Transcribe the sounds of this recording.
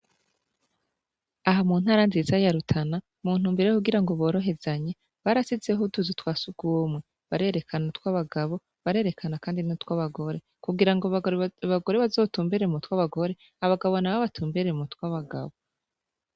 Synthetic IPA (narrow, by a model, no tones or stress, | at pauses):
aɦamuːn̥haːɾanziːzajaɾutʰana | muːn̥huːmbe̞ɾe̞kuɡiɾaŋɡoβo̞ːɾo̞ɦe̞zaɲe̞ | βaɾasize̞ɦutuzitwaːsuɡ̥uomŋe | βaɾe̞ːɾekʰanatwaβaɡaβo̞ | βaɾe̞ːɾe̞kʰanakaːndinutwaβaɡo̞ɾe̞ | kuɡiɾaŋɡoβaɡo̞ɾeβazo̞ːtuːmbeɾeemutwaβaɡo̞ɾe̞ | aβaɡaβo̞naβaβatʰuːmbeɾeɾemutwaβaɡa̰βo